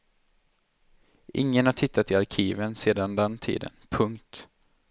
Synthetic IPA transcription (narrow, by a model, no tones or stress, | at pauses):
ʔɪ̰ŋːənhaʈʰɪt̪ːat̪ɪaɾkʰiːvənseːd̪and̪ɛnt̪ʰḭːd̪ə̰npʰɵŋkt̪